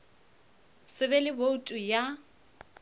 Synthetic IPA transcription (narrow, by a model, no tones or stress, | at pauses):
sɪbɛlɪboutʼuja